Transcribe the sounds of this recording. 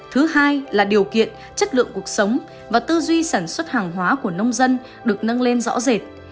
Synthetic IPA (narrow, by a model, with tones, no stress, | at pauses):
t̪ʰɨ˨˦haː˧jlaː˨˩ɗi˨˩əwkḭ˧˨ən | t͡ɕə˦˥t̚lɨ̰˧˨əŋku˨˩ə˩k̚sə˨˦wŋ͡m | vaː˨˩t̪ɨ˧zwi˧saː˧˩nswə˦˥t̚haː˨˩ŋɦwaː˨˦ku˧˩ənə˧wŋ͡mzə˧n | ɗɨ˨˩ək̚nə˧nle˧nzɔ̰˧˥ze˨˩t̚